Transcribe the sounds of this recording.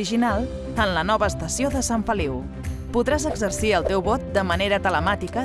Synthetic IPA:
iʒinalˠ | ənlənɔβəːst̪əsioðəsaɱfəliw | puðɾazəɡzəɾsiəlˠt̪ewβɔt̪̚d̪əməneɾət̪ələmat̪ikə

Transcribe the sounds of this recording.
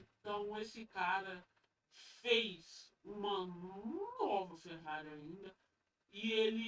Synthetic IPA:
t̪ɐ̃w̃esɪkaɾɐ | fejz̥ũmɐnnɔvɐfeɦaɾʊaĩnd̪ɐ | ielɪ

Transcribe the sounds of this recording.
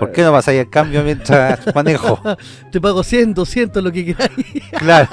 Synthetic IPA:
poɾkenoβasaiekambjomjentɾasmanexo | t̪ep̬aɣosjend̪osjent̪olokekeɾajklaɾo

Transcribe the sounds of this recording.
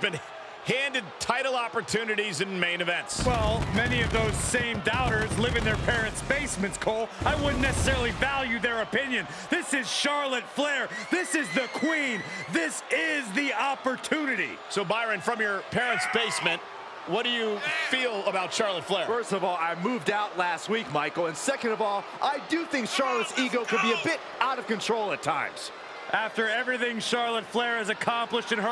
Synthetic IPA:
bɨ̃n | hæ̃ndɨd̚tʰaɪɾl̩ˠɑpə˞tʰʉnɨɾizɨ̃nmẽɪ̃nɨvɛ̃ntswɛlˠmɛniʌvðoʊz̥sẽɪ̃mdaʊɾə˞zlɪvɪ̃ŋðə˞pʰɛɹɨ̃ntsb̥eɪsmɨ̃ntskʰɔlˠaɪwʊdⁿnɛsəsɛɹl̩ˠivælˠjʉðə˞ɨpʰɪ̃njɨ̃n | ðɪsɪz̥ʃɑɹlˠɨtflɛɹðɪsɨzðɨkʰw̥ĩnðɪsɪzðiɑpə˞tʰʉnɨɾḭ | soʊbaɪɹɨ̃nfɹʌ̃mjə˞pʰɛɹɨ̃ntsb̥eɪsmɨ̃nt̚ | wʌt̚d̥ɨjɨfilˠəbaʊtʃɑɹlˠətflɛɹfɜ˞stʌvɔlˠaɪmuvdaʊtˡlæst̚wik̚maɪkl̩ˠə̃nsɛkɨ̃ndʌvɔlˠʔaɪdɨθɪ̃ŋkʃɑɹlˠətsiɡoʊkɨd̚biɨbɪɾ | aʊɾʌv̥kɨ̃ntʰɹ̥oʊlˠətʰãɪ̃mz̥ | ʔæftə˞ɛvɹiθɪ̃ŋʃɑɹlˠətflɛɹɨzɨkʰɑ̃mpləʃtɨ̃nə

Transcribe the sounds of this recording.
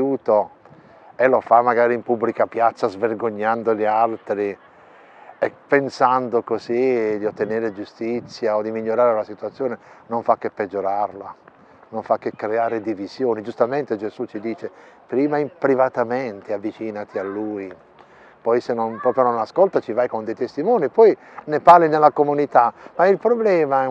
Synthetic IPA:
uːt̪o | elofamːaɡaːɾiimpubːlikapjat̪sːazverɡoɲːand̪olialt̪ɾi | epːensand̪okozid̪iot̪ːeneːɾed͡ʒust̪it̪sːjaod̪imiʎːoɾaːɾelasit̪uat̪sːjoːnenoɱfakːepːed͡ʒːoɾarla | noɱfakːekːɾeaːɾed̪ivizjoːnid͡ʒust̪ament̪ed͡ʒezut͡ʃːid̪iːt͡ʃe | pɾiːmaimpɾivat̪ament̪eavːit͡ʃiːnat̪ialːuj | pɔjsenːonpɾɔːpɾjononaskolt̪at͡ʃivajkond̪ejt̪est̪imɔːnipɔj | neparlinelːakomunit̪amailpɾoblɛːmaɛ

